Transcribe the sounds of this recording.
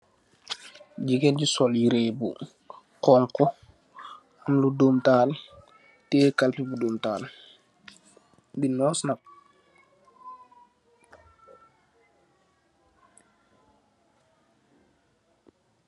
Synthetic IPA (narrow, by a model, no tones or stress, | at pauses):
ɟikɛnɟisɔljiɾeːbu | kɔːŋkɔ | amluduːmtaːl | tɛːkalpibuduːmtaːl | binɔːsnak̚